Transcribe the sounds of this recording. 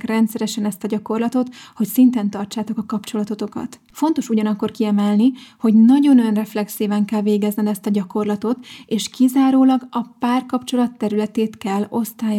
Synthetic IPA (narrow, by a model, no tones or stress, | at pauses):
krɛnt̪sɛɾɛʃɛnɛst̪ɒɟɒko̞rlɒt̪o̞t̪ho̞csint̪ɛnt̪ɒrt͡ʃaːt̪o̞kɒkɒpt͡ʃo̞lɒt̪o̞t̪o̞kɒ̰t̪ | fo̞nt̪o̞ʃuɟɒnɒkːo̞rkiɛmɛlniho̞ɟnɒɟo̞nønrɛflɛksiːvɛŋkɛlveːɡɛznɛnɛst̪ɒɟɒko̞rlɒt̪o̞t̪eːʃkizaːɾoːlɒɡɒpaːrkɒpt͡ʃo̞lɒt̪ːɛɾylɛt̪eːt̪kɛlːo̞st̪aːj